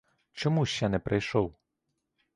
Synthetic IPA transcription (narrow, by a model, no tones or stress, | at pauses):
t͡ʃɔmuʃʲt͡ʃɛnɛpɾʔɪjʃɔw